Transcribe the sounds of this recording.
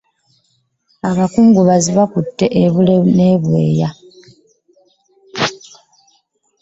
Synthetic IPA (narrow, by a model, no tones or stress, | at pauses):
aβakuːŋɡuβaziβakutːe̞ʔeβuleneːβwe̞̰ːja